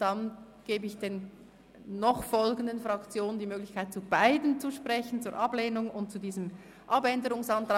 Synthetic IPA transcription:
d̥ɑn | ɡ̥eːbəɪçd̥eːnː | ɔχfɔlɡəndənfʁɑkt͡sjoːnəndiːmøːɡlɪçkʰaɪt̚t͡subaɪdənt͡suʃpʁɛçən̩t͡suːɐɹʔɑbleːnʊŋʊnt̚t͡sudiːzəm | ʔɑbɛndəʁʊŋsɑntʁɑ

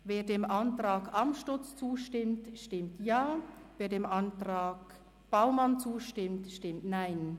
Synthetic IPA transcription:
veːɐdeːmʔɑntʁ̥aːɡʔamʃtʊt͡st͡suːʃtɪmtʃtɪmtjaː | veːɐdeːmʔantʁaːɡ | b̥aʊmant͡suːʃtɪmtʃtɪmtnaɪn

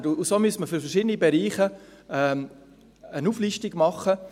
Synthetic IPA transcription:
dʊusoːmyəsməføɾfɛrʃidənibeɾiːχəɛːm | ənuːfliʃtiɡ̥mɑχːə

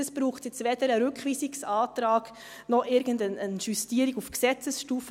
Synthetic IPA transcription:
əsb̥ɾuːχtjɛt͡sʋed̥əɾəɾʏkχʋiːsiksɑːtɾɑːɡ̥ | nɔχɪɾɡəndənənʃustiːəɾiɡufksɛt͡səsʃtuːf

